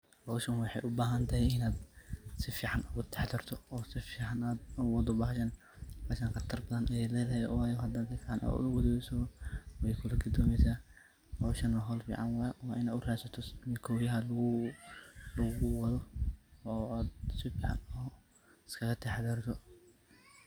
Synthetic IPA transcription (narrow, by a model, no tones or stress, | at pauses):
hɔwʃɐnwɑħɑ̰jʔʊbaːɦɐnt̪ʰɐɦɛjɪnaːd̪sɪfiːʕɑnʊɣʊt̪ʰɛ̥ħd̪ɐrt̪ʰɔɔːsɪfiːʕɑnaːd̪ʊwɐd̪ʊbɐhʃɐn | baːʃɐnqɑt̪ʰɐrbɐðɐnʔɛlɛːðɐɦɛwaːjɔɦɐd̪ɐːk̪ɐkana̰ʊɡʊd̪ɔbɛsɐwɛjkʰʊlɐɡʊd̪ɔːmɛsaː | hɔʃɐnwɑɦɔlfḭːʕɑnwɑjwɑːʔɪnaːd̪ʊraːsɐt̪ʰɔmɪkʰɔwjɐɦɐlʊ | lɐɣʊwɐðɔɔːaːd̪sɪfiːʕɑ̰nɔː | ɪskʰɐɣɐt̪ʰɛħd̪ɐɾt̪ʰɔ